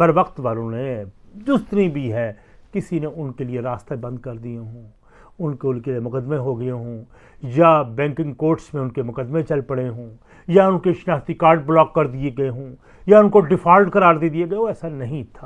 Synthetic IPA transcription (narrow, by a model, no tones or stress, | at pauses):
ɦɐɾʋɐqt̪ʋaːlõned͡ʒ̪ʊst̪nibʱiɦɛːkɪsineʔʊnkelieɾaːst̪ebɐ̃nd̪̚kɐɾd̪ijeɦõː | ʊnkeʊnkeliemʊkəd̪mẽɦoɡɐeɦõː | jabɛ̃ːŋkɪ̃ŋɡkoːɾʈsmẽʊnkemʊkəd̪mẽt͡ʃɐlpɐɽeɦõː | jaʊnkeʃɪnaːst̪ikaːɾɖ̚blɔːkːɐɾd̪ieɡɐeɦõː | jaʊnkoɖɪfʰaːlɖkɐɾaːɾd̪eːd̪ieɡɐeoɛːsanɐɦĩt̪ʰaː